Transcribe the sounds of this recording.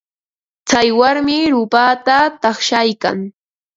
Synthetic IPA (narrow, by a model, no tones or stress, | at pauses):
t͡sajwaɾmɪɾʊpaːt̪at̪ɑχʃajka̰ŋ